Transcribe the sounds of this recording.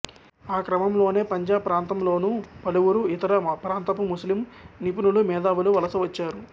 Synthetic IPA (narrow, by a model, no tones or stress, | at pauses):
aːkɾɐmɐmlo̞ːne̞ːpɐɲd͡ʒaːbpːɾaːnt̪ɐmlo̞ːnupɐluʋuɾuit̪ɐɾɐpɾaːnt̪ɐpumuslimnipunulumɛːd̪aːʋuluʋɐlɐsɐʋɐt͡ʃːaːɾu